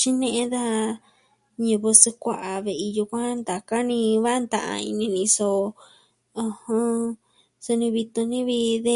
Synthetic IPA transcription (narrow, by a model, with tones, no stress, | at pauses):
t͡ʃi˦nẽ˧ʔẽ˦d̪a˦˧ | ɲĩ˧βo˧se˧kʷa˧ʔa˨βe˨ʔi˧ju˧kʷã˦nd̪a˨ka˦nĩ˧βa˦ʔnd̪ã˨ʔa̰˧ḭ˧nĩ˧nĩ˧so˧ | ũ˧hõ˧ | so˧nĩ˧βi˧t̪u˧nĩ˦βi˧ðe˦